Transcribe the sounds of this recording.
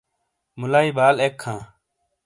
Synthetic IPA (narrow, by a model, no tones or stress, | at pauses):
mʊlaːiːbaːleːkʰːãː